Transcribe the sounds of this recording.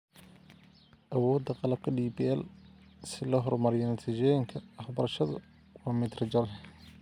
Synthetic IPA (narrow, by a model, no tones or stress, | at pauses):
ʔɐwɔːd̪ːɐqɑlɐb̚kʰɐɖiːbiːɛlsɪlɐɦɔrmɐɾɪjɐnɐt̪ʰit͡ʃɛjɪŋkʰɐɐħbɐɾɐʃɐðɐ | wɑːmɪd̪rɐt͡ʃɐɾ